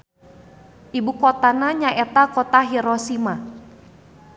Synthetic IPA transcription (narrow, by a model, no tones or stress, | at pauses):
ʔibukɔt̪anaɲaʔɛt̪akɔt̪aɦiɾɔsima